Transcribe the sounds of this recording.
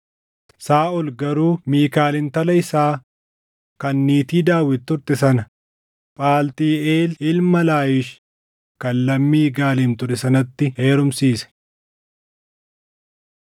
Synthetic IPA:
saːʔʊlɡɐɾuːmiːkaːlɪnt̪ɐlɐɪsaː | kɐnːiːt̪iːd̪aːwːɪt̪ːʊɾt̪ɪsɐnɐ | pʼaːlt̪iːeːlɪlmɐlaːjɪʃ | kɐlːɐmːiːɡaːliːmt̪ʊᶑɛsɐnɐt̪ːɪheːɾʊmsiːsɐ̥

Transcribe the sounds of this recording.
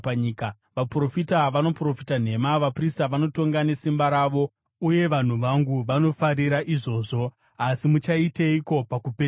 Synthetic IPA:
ɲiːka | ʋapro̞fitaʋano̞pro̞fitan̤e̞maʋapristaʋano̞to̞ŋɡane̞simbaɾaːʋo̞ | uje̞ʋan̤uʋaŋɡuʋano̞faɾiɾaʔiʐo̞ːʐo̞ | asimut͡ʃaiteiko̞pakupe

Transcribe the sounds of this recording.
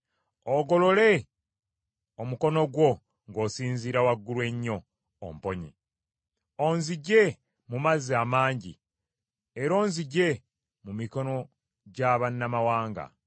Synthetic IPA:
oɡo̞lo̞le̞ | omukono̞ɡwo̞ | ŋɡo̞ːsiːnziːɾawaɡːulwe̞ɲːo̞̰ː | mpo̞ɲḭ | o̞nziɟe̞ | mumazaːmaːɲɟḭ | eɾo̞ːnziɟe̞ | mumiko̞no̞ | ɟaːβanːamawaːŋɡa̰

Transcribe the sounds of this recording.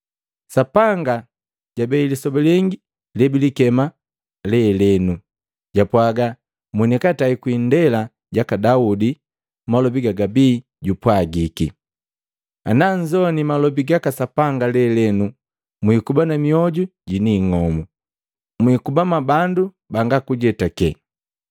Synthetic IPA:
sapaŋɡa | ɟabɛilisɔbɛlɛŋɡi | lɛbilikɛma | lɛlɛnu | ɟapwaɡa | munikataikwindɛla | ɟakadaudi | malɔbiɡaɡabiː | ɟupwaɡiki | a̰naɲd͡ʒɔnimalɔbiɡakasapaŋɡalɛlɛnu | mwikubanamiɔɟuɟiniŋɔmu | mwikubamabandu | baŋɡakuɟɛtakɛ

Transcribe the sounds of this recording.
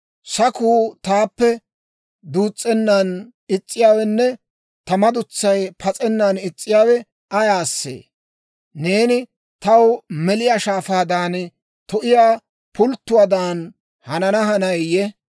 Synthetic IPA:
sɐkuːt̪aːpːɛ | d̪uːt͡sʼːɛnːan | ɪt͡sʼːɪjaːwɛnːɛ | t̪ɐmɐd̪ʊt͡sːɐjpʰɐt͡sʼɛnːanɪt͡sʼːɪjaːwɛ | ɐjaːsːḛː | neːnɪ | t̪ɐwmɛlɪjaːʃaːfaːd̪aːn | t̪ɔʔɪjaː | pʰʊlt̪ːʊwaːd̪aːn | hɐnɐnɐɦɐnɐjjɛ

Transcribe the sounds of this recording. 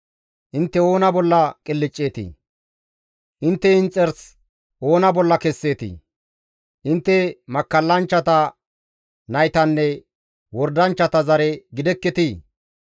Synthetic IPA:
ʔɪnt̪ːɛo̞ːnɐbɔlːɐkʼɪlːɪt͡ʃʼːe̞ːt̪ḭː | ʔɪnt̪ːɛɪnt͡sʼːɛɾs | o̞ːnɐbɔlːɐkɛsːe̞ːt̪ḭ | ʔɪnt̪ːɛmɐkːɐlːɐnt͡ʃːɐt̪ɐ | nɐjt̪ɐnːɛ | wɔɾd̪ɐnt͡ʃːɐt̪ɐzɐɾɛɡɪd̪ɛkːɛt̪iː

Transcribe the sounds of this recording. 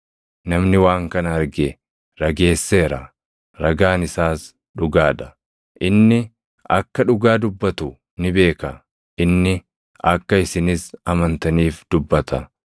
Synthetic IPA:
nɐmnɪwaːŋkɐnɐɐɾɡɛ | ɾɐɡe̞ːsːe̞ːɾɐ | ɾɐɡaːnɪsaːs | ᶑʊɡaːᶑɐ̥ | ʔɪnːɪ | ɐkːɐᶑʊɡaːd̪ʊbːɐt̪ʊ | nɪbe̞ːkɐ | ʔɪnːɪ | ɐkːɐɪsɪnɪsɐmɐnt̪ɐniːfd̪̥ʊbːɐt̪ʰɐ

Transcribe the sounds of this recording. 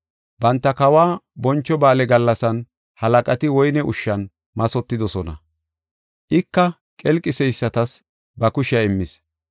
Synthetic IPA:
bɐnt̪ːɐkɐwaːbɔnt͡ʃːɔbaːlɛɡɐlːɐsɐn | hɐlɐkʼɐt̪ɪwɔjnɛʔʊʃːɐn | mɐsɔt̪ːɪd̪ɔsɔnɐ̰ | ʔɪkːɐ | kʼɛlkʼːɪsɛjsːɐt̪ɐs | bɐkʊʃɪɐɪmːɪs

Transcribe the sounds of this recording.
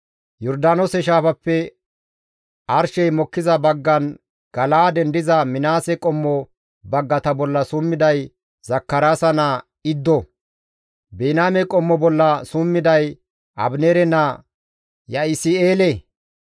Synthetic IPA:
jɔɾd̪aːnɔsɛʃ̬aːfɐpːɛ | ʔɐɾʃɛjmɔkːɪzɐbɐɡːɐn | ɡ̥ɐlaːd̪ɛnd̪ɪzɐmɪnaːsɛkʼɔmːɔ | bɐɡːɐt̪ɐbɔlːɐsumːɪd̪ɐj | zɐkːɐɾaːsɐnɐ | ɪd̪ːɔ | beːnaːmɛkʼɔmːɔbɔlːɐsʊmːɪd̪ɐj | ʔɐ̰bneɾɛnɐ | jɐɪsɪeːlɛ

